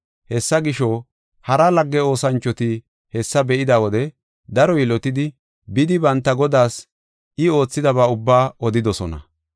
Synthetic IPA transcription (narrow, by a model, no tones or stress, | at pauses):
hɛsːɐɡɪʃɔ | hɐɾɐlɐɡːɛo̞ːsɐnt͡ʃːɔt̪ɪ | hɛsːɐbɛʔɪd̪aːwɔd̪ɛ | d̪ɐɾɔjɪlɔt̪ɪd̪ɪ | bɪd̪ɪbɐnt̪ːɐɡɔd̪aːs | ɪo̞ːt͡sːɪd̪ɐβaːʊbːaːʔɔd̪ɪd̪ɔsɔnɐ̰